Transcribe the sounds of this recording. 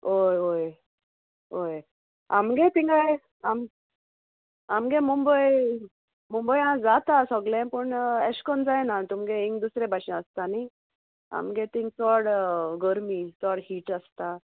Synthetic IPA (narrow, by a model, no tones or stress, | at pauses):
ojɦoj | oj | a̰mɡẽt̪ĩŋɡaj | am | amɡẽmumbəj | mumbəjɦãd͡zat̪asɔɡlɛ̃pəɳɛɕkɔnd͡zajnat̪umɡẽiŋɡd̪usɾẽbʱaɕɛ̃əst̪ani | a̰mɡẽt̪ĩŋɡt͡sɔɽɡəɾmit͡sɔɽhiːʈast̪a